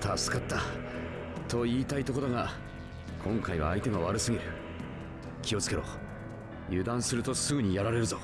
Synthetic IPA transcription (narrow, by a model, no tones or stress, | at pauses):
t̪ʰasɨ̥kat̪ːa | t̪ʰo̞iːt̪ait̪o̞ko̞ɾo̞ɡa | kʰõ̞ŋkaiβa̰ːit̪e̞ɡaβ̞aɾɯ̟sɨɡʲiɾɯ̟ | kʲio̞t͡sɨ̥ke̞ɾo̞̰ | jɯ̟d̪ãɰ̃sɨɾɯ̟t̪o̞sɨɡɯ̟ɲ̟ijaɾaɾe̞ɾɯ̟zo̞